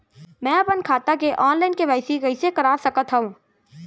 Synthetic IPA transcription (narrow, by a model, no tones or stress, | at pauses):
mɛ̃ːɐpənkʰaːt̪akeʔɔːnlaːɪnkeʋɛːsiɡɐisekɐɾaːʋsɐkət̪ɦɐũː